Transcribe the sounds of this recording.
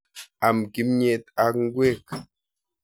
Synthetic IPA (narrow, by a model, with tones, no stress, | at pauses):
a˨mki˦mɲe˨t̚a˨kŋ̩˦ɡwe˦˨k